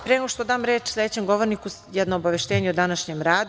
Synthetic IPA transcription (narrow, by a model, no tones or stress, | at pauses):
pɾenɡoʃt̪od̪aːmɾeːt͡ʃsled̪et͡ɕemɡoʋoɾniku | jɛd̪noːbaʋeʃt̪eːɲeud̪anaʃɲemɾaːd̪